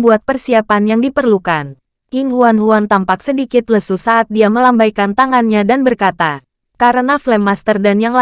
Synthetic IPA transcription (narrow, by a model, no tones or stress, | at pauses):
buat̪̚pərsiapanjaŋdipərlukan | ɪŋɦuanɦuant̪ampak̚sədikɪt̪̚ləsusaːt̪̚diaməlambajkant̪aŋanɲadanbərkat̪a | kaɾənaflɛmast̪ərdanjaŋla